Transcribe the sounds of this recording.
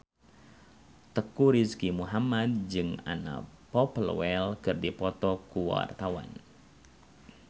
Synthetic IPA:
t̪əkuɾiskimuɦamad̚d͡ʒɨŋa̰na̰pɔplə̰wɛlkɨrdipɔt̪ɔkuwa̰rt̪awa̰n

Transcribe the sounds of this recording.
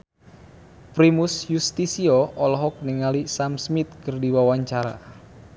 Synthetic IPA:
pɾimusjust̪isioʔɔlɔɦɔk̚niŋalisamsmit̪̚kɨrdiwawaɲt͡ʃaɾa̰

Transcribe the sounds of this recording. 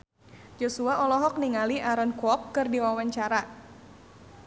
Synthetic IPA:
d͡ʒosuaʔɔlɔɦɔk̚niŋaliʔaɾənkɔkːɨrdiwawaɲt͡ʃaɾa

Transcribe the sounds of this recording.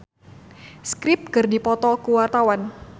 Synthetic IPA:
skɾɪp̚kɨrdipɔt̪ɔkuwart̪awan

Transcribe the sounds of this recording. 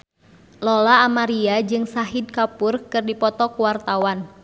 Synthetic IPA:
lɔlaːmaɾiad͡ʒɨŋsaɦid̚kapurkɨrdipɔt̪ɔkuwart̪awan

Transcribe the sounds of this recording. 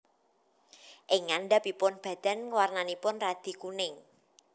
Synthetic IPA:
ʔɪŋanɖapipʊnb̥ä̤d̪̥a̤nŋəwarnanipʊnrad̪̥i̤kunɪŋ

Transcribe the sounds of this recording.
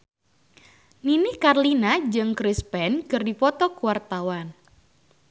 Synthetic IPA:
ninikarlinad͡ʒɨŋkɾispɛnkɨrdipɔt̪ɔkuwart̪awan

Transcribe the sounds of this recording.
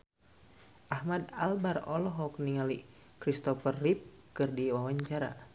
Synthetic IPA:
ʔahmad̪albarɔlɔɦɔkniŋali | kɾist̪ɔfərːip̚ | kɨrdiwawaɲt͡ʃaɾa̰

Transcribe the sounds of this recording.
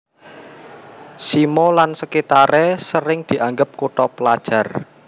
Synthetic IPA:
simɔlansəkit̪aɾɛsəɾɪŋd̪̥i̤ʔaŋɡəp̚koʈɔpəlad̥ʒ̥ä̤r

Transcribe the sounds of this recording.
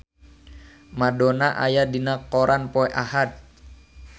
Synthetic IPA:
madɔnaʔajadinakɔɾʔanpɔɛʔahat̪̚

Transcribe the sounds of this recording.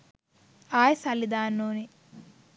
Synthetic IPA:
aːjsɐlːid̪aːnːoːni

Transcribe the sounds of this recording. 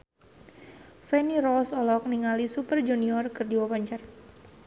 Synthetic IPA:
fɛnirɔsɔlɔk̚niŋalisupərd͡ʒuniɔrkɨrdiwawaɲt͡ʃar

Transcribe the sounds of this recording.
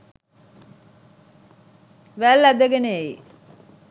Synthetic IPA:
ʋælːæd̪əɡeneei

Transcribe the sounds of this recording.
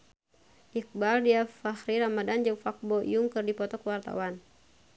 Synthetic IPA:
ʔik̚baldiafahɾiɾamadand͡ʒəŋfak̚bɔj̰uŋkɨrdipɔt̪ɔkəwart̪a̰wan

